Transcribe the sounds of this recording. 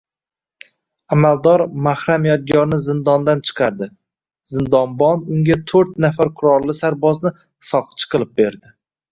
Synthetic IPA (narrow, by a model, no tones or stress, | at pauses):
amald̪ɒɾmahɾamijat̪̚ɡʲɒɾnɪzɪnd̪ɒnd̪ant͡ʃʰɨ̥qʰɑɾd̪ɪ | zɪnd̪ɒnbɒnʊŋɡʲat̪ʰɵɾt̪nafaɾqʰʊɾɒɾlɪsaɾbɒznɪ | sɒqʰɨ̥t͡ʃʰɨ̥qʰɨlˠɪp̚be̞ɾd̪ɪ